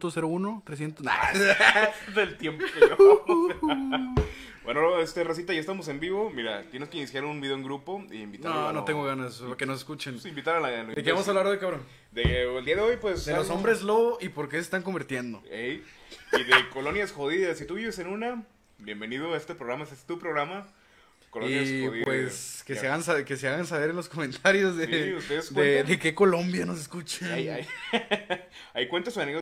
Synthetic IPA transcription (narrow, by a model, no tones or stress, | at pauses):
t̪oseɾounot̪ɾes̬jent̪ona̰ | ðelt̪je̞mpokeo | benooest̪eras̬it̪ajaest̪amose̞mbiβo̞miɾa̰t̪je̞neskeinisjaɾunbiðeoeŋɡɾupoḭimbitnaonote̞ŋɡoɣanakenoseskut͡ʃenimbit̪aɾlald̪ekeβamos̬aβlaɾðekaβɾon | d̪eeld̪iaðeojpwesd̪eloso̞mbɾezloʔipo̞ɾkesest̪aŋk̬ombiɾt̪je̞nd̪o̰ejiðekolonjasxoðiðasit̪uβiβesenuna | bjembeniðoaest̪epɾoɣɾamaesest̪upɾoɣɾama | koloinjasðipwesskeseaɣansakeseaɣans̬aβeɾenlo̞sko̞mẽnt̪ʰaɾjo̞zðeust̪eðsd̪eðekeko̞lo̞mbjano̞s̬eskut͡ʃaajaj | ajkwent̪osani